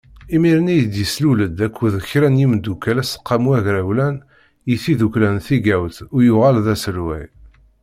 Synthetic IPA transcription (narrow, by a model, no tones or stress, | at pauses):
imiɾənijəd̪jəsluləd̪ækʷʰːuðəçɾænjimd̪ukːælæsə̥qːɑmuæʝɾæwlæn | jiθiðuklænθiɡæwθʊɾjʊʁælðæsəɾwæ̰j